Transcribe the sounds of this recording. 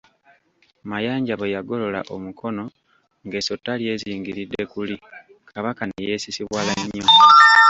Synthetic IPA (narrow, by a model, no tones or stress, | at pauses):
majaːɲɟaβejaɡo̞lo̞la̰ʔo̞mukʰo̞no̞ | ŋɡe̞so̞tːalje̞ːziːŋɡiɾidːe̞kuli | kʰaβakanḛje̞ːsisiβwaːlaɲːo